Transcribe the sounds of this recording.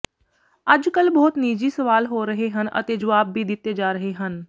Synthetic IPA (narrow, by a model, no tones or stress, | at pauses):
əd͡ʒkəlbɔːt̪niːd͡ʒiːsəʋaːlɦoːɾəɦeɦənʔə̰t̪ed͡ʒəʋaːbːiːd̪ɪt̪ːed͡ʒaːɾəɦeɦən